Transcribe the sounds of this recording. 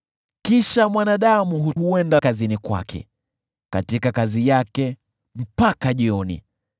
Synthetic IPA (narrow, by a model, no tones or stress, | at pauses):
kiʃamwanaɗamuɦuuɛndakazinikwa̰kʰɛ̰ | katikakazijakɛ | m̩pakaʄiɔnḭ